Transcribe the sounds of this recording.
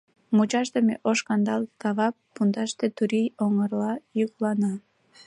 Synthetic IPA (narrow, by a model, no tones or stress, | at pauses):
mut͡ɕɑʃt̪emeʔoʃkɑnd̪ɑlˠkɑβɑpːund̪ɑʃt̪et̪uɾijoŋərlɑjuklɑnɑ